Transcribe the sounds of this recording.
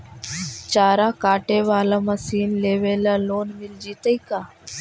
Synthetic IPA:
t͡ʃaːɾaːkaːʈeːʋaːlaːməsiːnleːʋeːlaːloːnmɪld͡ʒiːt̪əikaː

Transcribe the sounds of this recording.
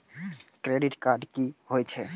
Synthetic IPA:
kɾeɖiʈkaɾɖkihojt͡ɕʰe

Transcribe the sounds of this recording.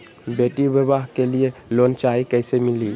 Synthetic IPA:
beʈibjəbaɦkelielont͡ʃaikɛjsemili

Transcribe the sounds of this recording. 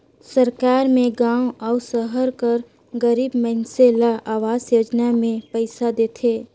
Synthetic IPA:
səɾkaːɾmẽɡãːwɔːsəɦəɾkəɾ | ɡəɾiːbmɛɪnselaʔaːʋaːzjoːd͡ʒnamẽpɛɪsad̪eːt̪ʰeː

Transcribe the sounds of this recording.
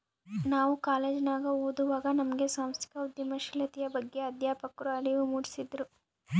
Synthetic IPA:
naːʋukaːleːd͡ʒɐnaːɡɐoːd̪uʋaːɡɐnɐmɐɡe̞saːmst̪ʰi̥kɐud̪jɐmɐʃilɐt̪ijɐbɐɡːe̞ɐd̪jaːpɐkuɾaːliʋumuːɽisid̪ɾu

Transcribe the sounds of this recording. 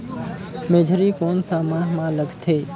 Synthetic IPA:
meːd͡ʒʱəɾiːkoːnsaːmãːɦmãːləɡʱt̪ʰeː

